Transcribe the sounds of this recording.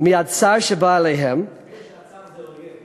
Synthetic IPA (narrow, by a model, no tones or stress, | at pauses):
miadsaʃəbaːleɦɛm